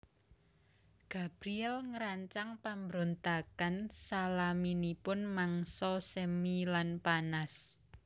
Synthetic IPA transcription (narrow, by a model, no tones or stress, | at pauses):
ɡ̥a̤b̥ɾiɛlŋəɾaɲt͡ʃaŋpambɾont̪akansalaminipʊnmaŋsɔsemilanpanas